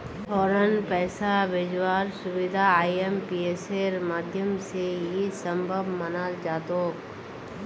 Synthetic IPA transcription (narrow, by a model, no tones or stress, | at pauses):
fʰɔːɾənpɛːsabɪd͡ʒwaːɾsʊʋɪd̪ʱaaːiempieseɾmaːd̪ʱjəmsejisə̃mbʱəbmɐnaːld͡ʒaːt̪oːk